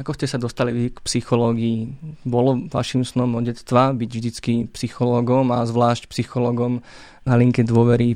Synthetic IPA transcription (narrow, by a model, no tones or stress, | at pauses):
akɔscɛsad̪ɔst̪aliʋikpsixɔlɔːɡiːbɔlɔʋa̰ʃimsnɔmɔɟɛst̪ʋabiɟvʒd̪it͡skipsixɔlɔːɡɔmazʋlaːʃcpsixɔlɔːɡɔm | naliŋkɛd̪ʋʊɔʋɛɾi